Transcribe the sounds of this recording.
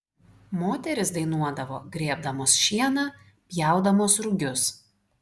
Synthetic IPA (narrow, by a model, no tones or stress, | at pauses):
moːt̪ʲɛɾʲɪsd̪ɐɪnuɔd̪ɐʋo̰ːɡɾʲiɛb̚d̪ɐmoːsʃʲiɛnɑː | pʲjæˑʊd̪ɐmoːsɾʊɡʲʊs